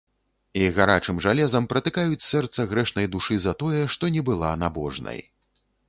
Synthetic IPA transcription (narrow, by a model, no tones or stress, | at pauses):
iɣaɾa̰t͡ʂɨmʐalʲɛzɐmpɾɐt̪ɨkajut͡sʲsɛrt̪sɐɣɾɛʂnɐjd̪uʂɨzɐt̪ɔjɛʂt̪ɔnʲɛbɨlˠanabɔ̰ʐnɐ̰j